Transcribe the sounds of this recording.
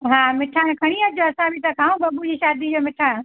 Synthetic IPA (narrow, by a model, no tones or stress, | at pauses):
ɦãːmɪʈʰãkʰɐɽ̃iəd͡ʑoɐsãbʱit̪ɐkʰãːũbɐbud͡ʑiʃaːd̪id͡ʑomɪʈʰã